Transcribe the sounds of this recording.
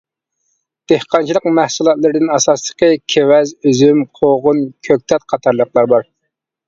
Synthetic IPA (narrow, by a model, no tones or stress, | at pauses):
d̪̥ehqɑnt͡ʃʰilˠəqmæhsulˠɑt̪lˠɨɾɪd̪ɪnɑsɑslˠə̥qʰəkʲʰewɛzyzymqʰoʁʊnkʲʰøk̚ʲt̪ʰɛt̪̚qʰɑt̪ʰɑɾlˠəqlˠɑɾbɑɾ